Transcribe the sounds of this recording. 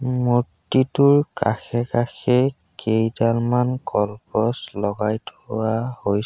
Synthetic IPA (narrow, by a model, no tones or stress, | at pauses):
mutitʊɹka̰xɛkaxɛ | kejdalmankɔlpɔslɔɡajtʰʊwahoj